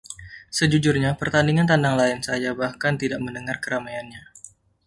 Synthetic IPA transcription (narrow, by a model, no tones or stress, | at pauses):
səd͡ʒud͡ʒurɲapərt̪andiŋant̪andaŋlaɪnsajabahkant̪idaʔməndəŋarkəɾamajanɲa